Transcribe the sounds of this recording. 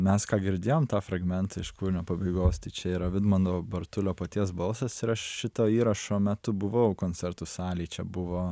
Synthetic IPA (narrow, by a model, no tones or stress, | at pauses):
mʲɛskɑːɡʲɪɾʲd̪ʲeːjoːmt̪ɑːfɾɐɡmʲɛnt̪ɐɪʃkuːɾʲɪnʲoːpɐbɐɪɡoːst̪ɐɪt͡ʃʲɛiːɾɐʋʲɪd̪mɐnd̪oːbɐɾt̪ʊlʲoːpɐt̪ʲiɛsbɐlˠsɐsɪɾɐʃʃʲɪt̪oːiːɾɐʃoːmʲɛt̪ʊbʊʋɐʊkoːnʲt͡sʲɛɾt̪usɑːlʲiːt͡ʃʲɛbʊʋoː